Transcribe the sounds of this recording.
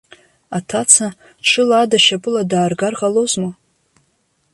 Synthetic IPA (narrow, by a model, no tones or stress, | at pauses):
atʰat͡sʰa | ʈ͡ʂʰɨladaʃapʼɨladaːrɡarʁalozma